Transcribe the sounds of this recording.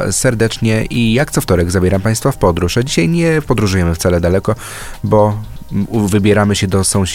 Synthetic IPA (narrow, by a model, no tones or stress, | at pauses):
sɛɾd̪ɛt͡ʂɲɛʔijak̚t̪sɔft̪ɔɾɛɡzabʲjɛɾampaj̃st̪fafpɔd̪ɾuʂad͡ʑiɕajɲɛpɔd̪ɾuʐujɛmɘft̪salɛd̪alɛkɔ | bɔ | vɘbʲjɛɾamɘɕɛd̪ɔsɔ̃w̃ɕ